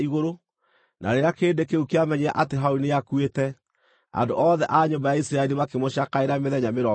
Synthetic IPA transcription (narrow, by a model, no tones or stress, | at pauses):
iɣoɾo | na̰ɾeɾakeːndekeukeamɛɲeaʔateɦaunejakuetɛ | a̰ndoʔɔːðɛʔaɲombajaisɾaɛɾimakemoɕakaeɾameðɛɲameɾɔ